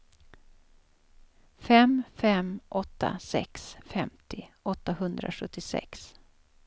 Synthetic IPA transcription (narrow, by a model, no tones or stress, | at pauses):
fɛmfɛmʔɔt̪ːa̰sɛ̰ksfɛmt̪ʰɪʔɔt̪ːahɵnd̪ɾa̰ɧɵt̪ːɪsɛ̰ks